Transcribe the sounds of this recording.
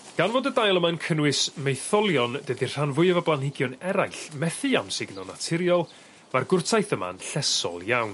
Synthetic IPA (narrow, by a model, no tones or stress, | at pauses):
ɡ̥anvoːdədajlˠəmankʰənwɪsmejθɔlˠjɔndədir̥anvʊɨəvablˠanhɪɡjɔnɛɾajɬmɛθɨamsɪɡnɔnatʰɪɾjɔlˠ | marɡʊrtʰajθəma̰nɬɛsɔ̰lˠjawn